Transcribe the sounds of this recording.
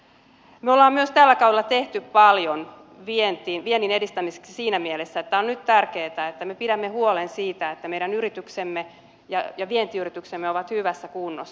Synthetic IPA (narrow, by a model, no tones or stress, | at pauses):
meolːɑːmmyøst̪ælːækɑuwelːɑt̪eht̪yppɑljon | ʋient̪iːnʋienːinedist̪æmise̥ksisiːnæmielesːæet̪ːæonnyt̪t̪ærkeːt̪æet̪ːæmepiɾæmːehuolensiːt̪æet̪ːæmejɾænyɾit̪yksemːe | jɑjɑʋient̪iːyrit̪yksemːeoʋɑt̪hyʋæsːækunːosː